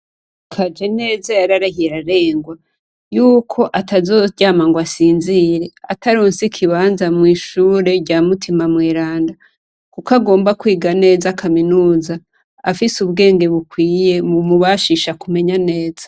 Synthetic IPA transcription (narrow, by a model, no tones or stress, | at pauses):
kʰad͡ʒe̞ne̞ːzajaɾaɾahiɾaɾe̞ːŋɡwa | juːkʰo̞ʔatʰazoːɟaːmaŋɡwasiːnziːɾe̞ataɾoːnsikʰiβaːnzamŋiːʃuːɾe̞ɟaːmutʰimamweːɾaːnda | kukaɡo̞ːmbakwiːɡane̞ːzakʰaminuːza | afisuβɡe̞ːŋɡe̞βukwiːje̞mumuβaʃiʃakume̞ɲane̞ːz̥ḁ